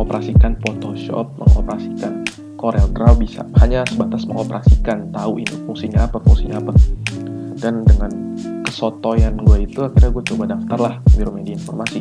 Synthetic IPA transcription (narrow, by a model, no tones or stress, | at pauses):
opəɾʔasikanpot̪oʃɔ̰p̚mə̰ŋo̰pəɾasikan | koɾɛlɡɾawbisa̰haɲasəbat̪asməŋopəɾʔasikant̪auʔinipuŋsiɲaːpapuŋsiɲaːpa | dandəŋankəsot̪ojanɡuait̪uakirɲaɡuat͡ʃobadaft̪arlahmiɾumadiinfɔrmasi